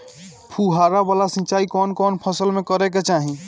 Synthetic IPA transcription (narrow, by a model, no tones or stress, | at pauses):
pʰuɦaːɾabalasə̃t͡ʃaːikɔːnkɔːnpʰəsəlmẽkəɾɛk̬et͡ʃaːɦĩ